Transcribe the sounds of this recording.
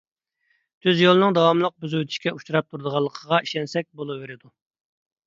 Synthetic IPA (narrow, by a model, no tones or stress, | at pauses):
t̪ʰøzjolˠɨnɨŋd̪ɑwɑmlˠəq̚byzywt̪ʰiʃkʲɛut͡ʃʰuɾɑp̚t̪ʰuɾd̪əʁɑlˠːəqʰəʁɑiʃɛnsɛk̚ʲbolˠɨːeɾɪd̪u